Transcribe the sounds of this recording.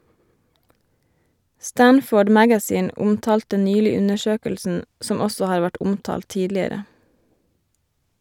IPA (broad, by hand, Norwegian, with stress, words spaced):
ˈstænfoːɖ ˈmæɡæˌsiːn ˈʊmtɑːltə ˈnyːlɪ ˈʉnəˌʃøːkəlsn̩ ˈsɔm ˈɔsɔ ˈhɑːɾ ˈʋæʈ ˈʊmtɑːl ˈtiːdlɪəɾə